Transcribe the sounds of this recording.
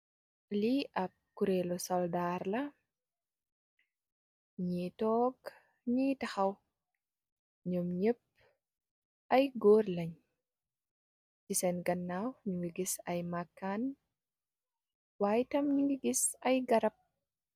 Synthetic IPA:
liʔɐp̚kuɾelɔsɔldaɾlɐ | ɲitɔɡ | ɲitɐxɐw | ɲɔmɲəp̚ | ʔɐjɡoːrlɐɲ | cisɛnɡɐnːawɲuwiɡisɐjmakːan | waːjtɐmɲiɡiɡisɐjɡɐɾɐp̚

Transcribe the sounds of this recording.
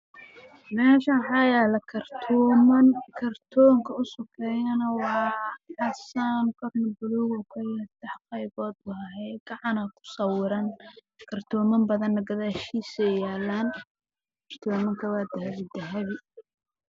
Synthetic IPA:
mɛːʃɐħɑjaːlɐkʰɐrt̪ʰɔːmɐnkʰɐrt̪ʰɔːŋkʰɐʊsʊkʰɛjɐnɐwɑːħɑsankʰɔrnɐbʊluːɣʊkʰɐjɐt̪ɛħqɛjβɔːd̪ʊɦɐɦɛjɡ̥ɑʕɑnɐkʰʊ̥sɐwɪɾɐn | kʰɐrt̪ʰɔːmɐmbɐðɐnːɐɡɐðaːʃiːsɛjaːlːaːn | kʰɐr̥t̪ʰɔːmɐŋkʰɐwaːd̪ɐɦɐβɪd̪ɐɦɐβɪ

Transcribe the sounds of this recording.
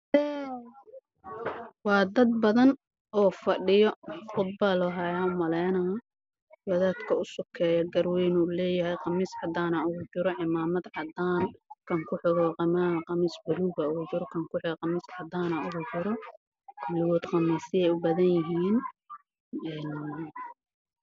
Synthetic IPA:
ɛː | wɑːd̪ɐd̪̚bɐðɐn | ɔːfɐɖɪjɔqʊd̪̚bɐlɔɦajaʊmɐlɛjnɐ | wɐðaːd̪kʰɐʊsʊkʰɛːjɐɡɐrwɛjnʊlɛːjɐɦɛjqɑmɪsʕɑd̪aːnɐʊɣʊt͡ʃɪɾɔʕɪmaːmɐd̪ʕɑd̪aːnkʰɐŋkʰʊħɪɣɔqɑmaqɑmisbʊɾuːɣɐut͡ʃɪɾɔkʰɐŋkʰʊħɪɣqɑmɪsʕɑd̪aːnɐʊɣʊt͡ʃɪɾɔ | kʰʊlɪwɔːd̪qɑmiːsɪjɛjʊbɐðɐnjɐɦiːn | ɛːn

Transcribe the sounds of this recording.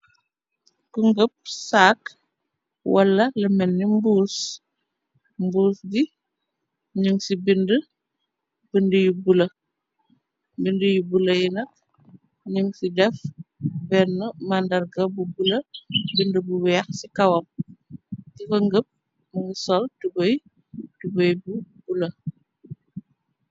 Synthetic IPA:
kəŋɡəp̚saːk | wɐlːɐlɛmɛnːimbuːs | mbuːsɡi | ɲuŋsibində | b̥əndəjubulɐ | bindəjubulɐjinɐk̚ | ɲuŋsidɛfbɛnəmandɐrɡɐbubulɐbindəbuwɛːxsikɐwɐm̚ | kikɐŋɡəp̚ | məŋɡəsɔltubɔj | tubəjbubulɐ

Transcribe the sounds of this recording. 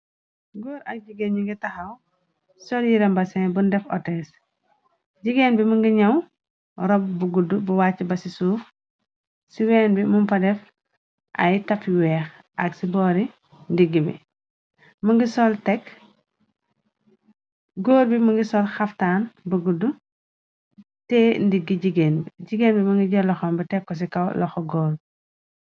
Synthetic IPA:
ɡoːɾɐ̰k̚ɟiɡenɲuŋɡitɐxɐw | sɔljiɾɛmbɐsɛnbundɛfɔtɛs | ɟiɡenbimuŋɡiɲɐw | ɾɔb̚buɡudubuwaːcːibɐsisuːx | siwɛːnbimumpɐdɛf | ʔɐ̰jtɐfiwɛːx | ʔɐksibɔːɾi | ndiɡːibḭ | mɐŋɡisɔltɛk | ɡɔːɾbimɐŋɡisɔlxɐftaːnbuɡudu | tɛndiɡːiɟiɡenbiɟiɡeːnbimɐŋɡiɟɔlɔxɔmbɐtɛkːɔs̬ikɐwlɔxɔɡɔːɾbi

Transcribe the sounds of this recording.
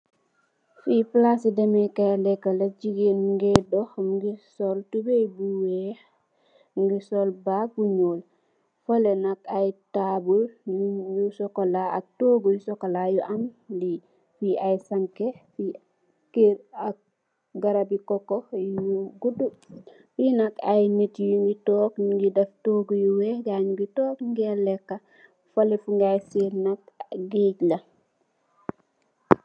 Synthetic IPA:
fiplasidemekalɛkːalaɟiɡenɡedɔxmɡisoltubebuwe | ŋɡisolbak̚buɲoːl | folenakajtabuljusɔkolaa̰k̚toɡɔjusɔkalajuʔanli | fiajsaŋkefi | kiɾak̚ | ɡaɾabikɔkojuɡudu | finɐkajnetjuŋɡitɔːkɡidɐftoːɡujuweɡaːɲɡitɔːkŋɡelɛkːa | falifuŋɡajsiɾnak̚ɡiːɟla

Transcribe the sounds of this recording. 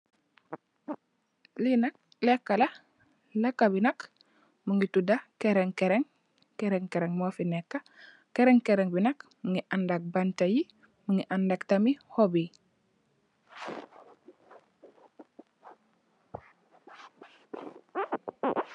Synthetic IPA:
linɐk̚ | lekːalɐ | lekːabinɐk | muŋitudakeɾeŋkeɾeŋ | keɾeŋkeɾeŋmofinekːa | keɾeŋkeɾeŋbinɐkməŋiʔandak̚bantaji | muŋiʔandaktamihobi

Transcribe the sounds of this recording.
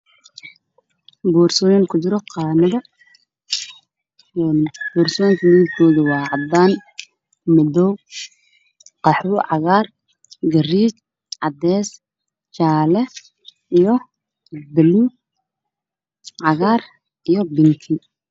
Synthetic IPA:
buːrsɔːjɪŋkʰʊt͡ʃɪɾɔqɑːnɐðɐ | ɛːnbɔːrsɔjŋkʰɐniɪɡkʰɔːðɐwɑːʕɑd̪aːn | mɐd̪ɔw | qɑħuːʕɑɣaːr | ɡɐriːt͡ʃ | ʕɑd̪ɛːs | t͡ʃaːlɛ | ijɔ | bɐluː | ʕɑɣaːr | ijɔbɪŋkʰi

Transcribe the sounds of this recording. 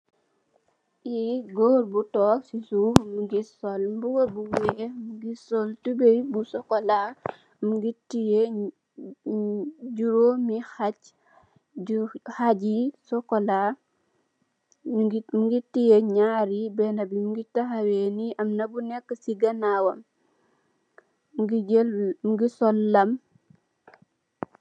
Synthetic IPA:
iɡɔːɾbutɔːksisumuɡisɔlbuɡobuwɛmuɡisɔltubebusɔkɔla | muɡitije | ɟuɾomihac | haɟisɔkɔla | ɡmɡitːijeɲaɾibɛnɐbimuɡitaxaweniʔɐmnɐbunɛkːəsiɡɐnawɐm | ɡilmuɡisɔlːɐm

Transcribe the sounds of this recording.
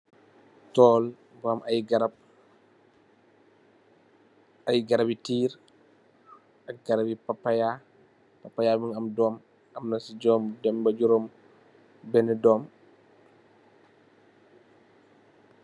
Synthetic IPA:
tɔːl | bamʔɐjɡaɾɐb̚ | ɐjɡɐɾɐbitiːɾ | ɐk̚ɡɐɾabipapːaja | papːajaːmiŋɐmdɔːm | ɐmnasiɟɔːmdɛmbɐɟuɾɔm | bɛnɛdɔːm

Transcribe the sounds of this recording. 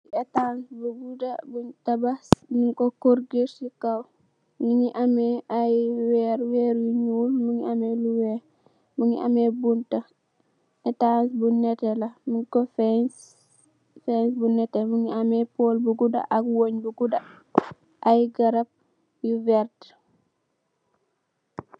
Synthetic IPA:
ɛtansbuɡudabuntɐbasmuŋkɔkoɾɡiɾsikɐw | muŋiʔɐmɛajwɛɾwɛɾjuɲuːlmuŋiɐmɛluwɛːɾ | muŋḭʔɐ̰mɛbuntɐ | ɛtansbunɛtɛlɐmuŋkɔfɛ | fɛnsbunɛtɛmuŋiamɛpoːlbuɡuda̰ʔɐkwoɲbuɡudɐ | ʔajɡɐɾɐp̚ | juvɛrt

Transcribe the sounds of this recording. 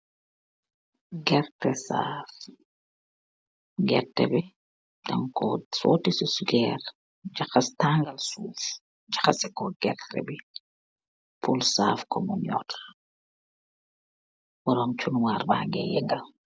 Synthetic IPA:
ɡɛrtɛsa̰ːf | ɡɛrtɛ̰bi | dɐŋkɔsɔ̰ːtisusɡɛːr | d͡ʒɐxɐstaŋɡɐlsuːf | d͡ʒɐxɐsɛkɔɡ̥ɛrtɛ̰bi | pʰulsaːfkɔmɔɲɔ̰t | wɔɾɔmt͡ʃunwaːrba̰ːŋɡɛjɛŋɡɐl

